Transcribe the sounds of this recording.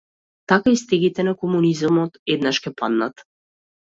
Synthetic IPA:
t̪akaist̪ɛɡit̪ɛnakɔmunizamɔt̪ɛd̪naʃkʲɛpad̪na̰t̪

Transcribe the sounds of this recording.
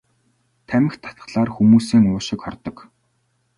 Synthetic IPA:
t̪ʰæmɪ̆xt̪ʰḁt̪̚ɢ̥ə̥̆ɮaːrxumuːsiːŋʊːʃɪ̆kχɔ̰rt̪ɞ̆k

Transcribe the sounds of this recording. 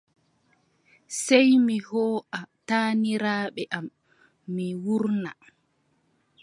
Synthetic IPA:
sɛjmihɔːʔataːniɾaːɓɛʔamː | iwuɾna

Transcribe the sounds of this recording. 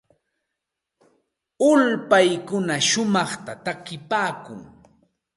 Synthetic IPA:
ʊlpajkʊnaʃʊmɑχt̪at̪akɪpaːkʊ̰ŋ

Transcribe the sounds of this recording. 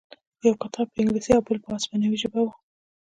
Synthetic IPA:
xjawkat̪ʰɑpəɪŋɡlisiawbɪlpasbanawiʒɪbawa

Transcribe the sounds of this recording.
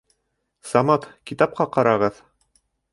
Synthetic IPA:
sɑmɑt̪kit̪ɑp̚qɑqɑɾɑʁɤð

